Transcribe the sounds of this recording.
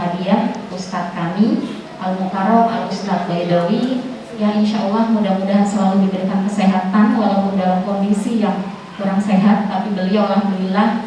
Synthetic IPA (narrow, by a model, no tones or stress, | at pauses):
adiaust̪at̪̚kami | ʔalmukaɾɔka̰ust̪at̪̚baidowi | jainʃaʔalːahmudahmudasəlaludibəɾikankəseɦat̪anwalawpʊndalamkɔndisijaŋ | kuɾaŋseɦat̪ːapibəliawlahbəlilah